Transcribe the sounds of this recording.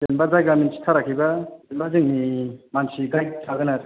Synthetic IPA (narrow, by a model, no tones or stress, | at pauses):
tenbazajɡaminsi̥tʰaɾakʰibaenbazɯŋnimansiɡajtʰaɡɯnaɾ